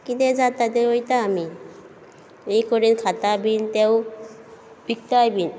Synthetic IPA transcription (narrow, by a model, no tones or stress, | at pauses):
kit̪ɛd͡zat̪at̪eojt̪aːmi | ejkɔɾinkʰat̪abint̪ew | b̥ik̚t̪ajbin